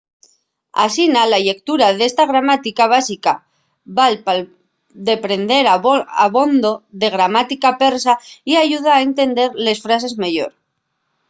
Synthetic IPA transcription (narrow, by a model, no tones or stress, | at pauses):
a̰sinalaʎe̞k̚t̪uɾaðe̞st̪aɣ̞ɾamat̪ikaβ̞asika | βalpal | d̪e̞pɾe̞nd̪e̞ɾaa̰βo̞nd̪o̞ðe̞ɣɾamat̪ikape̞ɾsaiaʝuð̞aːe̞nt̪e̞nd̪e̞ɾle̞sfɾas̬e̞zmaʝo̞̰ɾ